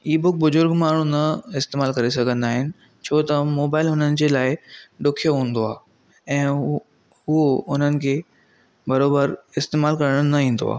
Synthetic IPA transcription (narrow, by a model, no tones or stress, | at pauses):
iːbʊk̚bʊzʊɾɡmaːɳ̤ũnɐɪst̪eːmaːlkɐɾesɐɡʱə̃nd̪aːɦɪnɪ̆ | t͡ɕʰoːt̪ɐmoːbaːɪlʊn̤ənɪ̆d͡ʑelaːɪɖʊkʰijoɦũːnd̪oaː | ɛ̃ː | ɦuoʊn̤ənɪ̆kʰeː | bɐɾoːbəɾɪst̪eːmaːlkɐɾəɽ̃nɐĩːnd̪o̰a̰ː